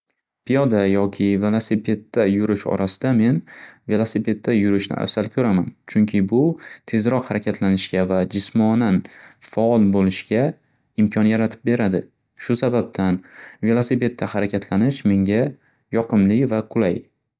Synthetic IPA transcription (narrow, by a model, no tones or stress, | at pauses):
pʰijɒd̪ajɒkʲʰɪve̞lˠasɪpʰe̞t̪ːajʊɾɪʃɒ̰ɾʔasɪ̥d̪ame̞nve̞lˠasɪpʰe̞t̪ʰːajʊɾɪʃnɪ̰ʔa̰fsalkʲʰɵɾamant͡ʃʰʊŋkʲʰɪbʊt̪ʰe̞zɾɒqhaɾakʲʰat̪ʰlanɪʃkʲavad͡ʒɪsmɒnanfaɒlˠbolɪʃɡʲa | ɪmkʲʰɒnjaɾat̪ʰɪ̥p̚be̞ɾad̪ɪ | ʃʊsabab̚t̪ʰanve̞lˠasɪpe̞t̪ʰːahaɾakʲʰat̪ʰlanɪʃme̞ŋʲa | jɒqʰɨmlɪvaqʰʊlaj